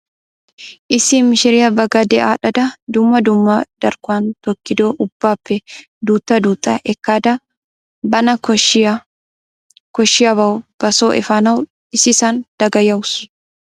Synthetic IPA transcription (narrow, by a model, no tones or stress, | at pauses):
ʔɪsimːɪʃɪɾɪjɐbɐɡɐd̪ɛʔaːᶑɐd̪ɐd̪ʊmːɐd̪ʊmːɐd̪̥ɐɾkʊaːnt̪ɔkːɪd̪oːʔʊbːaːpːɛ | d̪uːt̪ːɐd̪uːt̪ʼːɐʔɛkːaːd̪ɐ | bɐnɐkɔ | kɔʃːɪjɐbɐwʊb̥ɐsoːʔɛ̰faːnɐwʊ | ɪsɪsand̪̥ɐɡɐjɐʊs